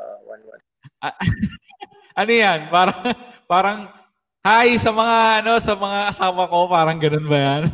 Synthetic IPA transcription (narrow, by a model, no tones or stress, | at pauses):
aa | anijanpaɾaŋpaɾaŋ | hajsəmaŋanosəməŋasapakopaɾaŋɡənənbajan